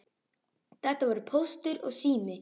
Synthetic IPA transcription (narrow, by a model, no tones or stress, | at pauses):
θɛht̪ːavaɾʏpʰowst̪ʏɾɔ̰ɣsiːmɪ